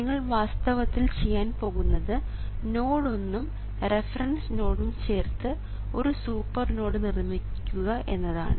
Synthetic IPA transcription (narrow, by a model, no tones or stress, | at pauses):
iŋːɐɭʋaːst̪ɐʋɐt̪ːilt͡ɕe̞jːaːnpo̞ːɣunːɐðɨ | no̞ːɽo̞nːum | re̞fɐrɐnsno̞ːɽumt͡ɕe̞ːrt̪ɨ | o̞ɾusuːpːɐrno̞ːɽɨnirmikʲːuɣɐʔe̞̰nːɐða̰ːɳɨ